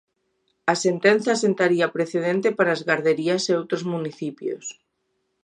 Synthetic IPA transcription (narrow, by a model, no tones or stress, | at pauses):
asent̪enθjasent̪aɾiapɾeθeð̞ent̪epaɾazɣaɾðeɾiaseowt̪ɾozmuniθipjo̰s